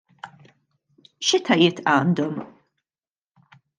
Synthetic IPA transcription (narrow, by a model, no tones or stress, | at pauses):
ʃɪt̪ʰɐjɪt̪ɐːnd̪ɔm